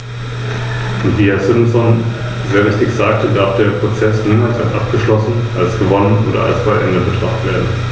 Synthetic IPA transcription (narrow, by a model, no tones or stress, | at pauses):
ʔʊntv̥iːɛɐzɪmsɔn | zeːɐvɪçtɪçz̥aːk̚tədaɐfd̥eːɐpʁ̥ot͡sɛsniːmalsatʔap̚ɡ̥əʃlɔsn̩ʔalsɡ̥əvɔnənʔoːdɐ̰ʔa̰lsb̥aɪʔɛndəbətʁ̥aχtv̥eːɐdn̩